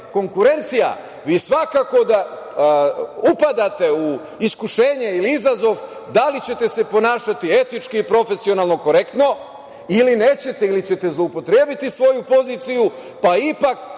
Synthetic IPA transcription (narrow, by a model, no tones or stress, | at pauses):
ko̞ŋkuɾe̞nt̪sija̰ | ʋiːsʋakako̞d̪a | upad̪at̪e̞u | iskuʃe̞ːɲe̞iliizazo̞ʋ | d̪alit͡ɕe̞t̪e̞se̞po̞naːʃat̪ie̞t̪it͡ʃkiipɾo̞fe̞sio̞nalˠno̞ko̞ɾe̞kt̪no̞ | iline̞ːt͡ɕe̞t̪e̞ilit͡ɕe̞t̪e̞zlˠoupo̞t̪ɾe̞ːbit̪isʋo̞jupo̞ziːt̪siju | paipak